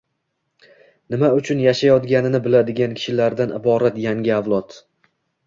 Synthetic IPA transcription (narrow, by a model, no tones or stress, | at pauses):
nɪmaʊt͡ʃʰʊnjaʃajɒt̪ɡʲanɪnɪbɪlad̪ɪɡʲankʲʰɪ̥ʃɪlaɾd̪anɪ̰bɒɾat̪jaŋɡʲɪavlˠɒt̪